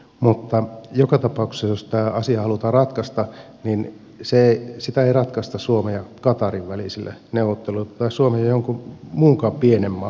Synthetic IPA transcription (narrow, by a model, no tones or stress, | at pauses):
mut̪ːɑjokɑt̪ɑpɑˑuksesjost̪æːɑsiɑhɑlut̪ɑːrɑt̪kɑst̪ɑ | nin | seisit̪æeˑirɑt̪kɑst̪ɑssuomejɑkɑt̪ɑriʋʋælisilːḛneuʋˑot̪ːelulet̪ɑissuomejɑjoŋkumuːŋkɑːmpienemːɑ̰